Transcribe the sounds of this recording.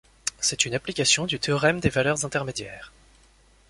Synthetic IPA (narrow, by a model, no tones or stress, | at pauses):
sɛt̪ynaplikʲasjɔ̃d̪yt̪eɔʁɛmd̪evalœʁzɛ̃t̪ɛʁmed̪jɛːʁ